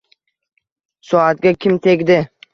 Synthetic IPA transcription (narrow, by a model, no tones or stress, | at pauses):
sɒat̪ɡʲakʲʰɪmt̪ʰe̞kʲd̪ɪ